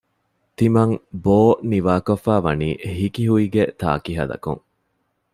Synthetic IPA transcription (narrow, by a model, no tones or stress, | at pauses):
t̪imɐŋboːniʋaːkɐfːæːʋɐniːɦikiɦuiɡet̪a̰ːkiɦɐ̰d̪ɐ̰kṵŋ